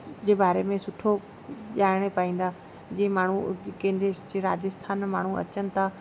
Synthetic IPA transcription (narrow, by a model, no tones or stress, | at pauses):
d͡ʑeːbaːɾemẽsʊʈʰo | ʄaːɪɽ̃epaːĩːn̆d̪aː | d͡ʑĩːẽmaːɳ̤ukẽːɪ̃nd̪ɾed͡ʑeɾa̰ːd͡ʑəst̪ʰaːnmaːɳ̤uɐ̰t͡ɕənɪ̆t̪ʰa